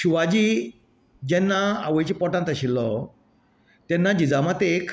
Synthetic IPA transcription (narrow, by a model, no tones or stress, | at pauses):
ɕuʋad͡ʑi | d͡ʑɛnːaa̰ʋəjt͡ɕipɔʈãnt̪aɕilɔ | t̪jɛnːad͡ʑid͡zamat̪ekʰ